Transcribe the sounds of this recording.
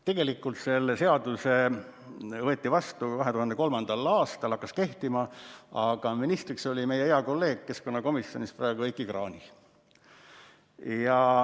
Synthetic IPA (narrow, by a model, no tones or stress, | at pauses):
t̪e̞ɡe̞likːˑult̪se̞lːese̞ɑd̪̥use | vɤet̪ːivɑst̪ukɑɦe̞t̪uhɑnd̪eko̞lmɑnd̪̥ɑlɑːst̪ɑlɑkːɑske̞ht̪imɑɑɡ̥ɑminist̪rikso̞lʲime̞jeeɑko̞lːe̞ːɡ̥̚ke̞sko̞nːɑko̞misjo̞̰nisprɑeɡ̥uejkːˑikrɑːnʲi | jɑ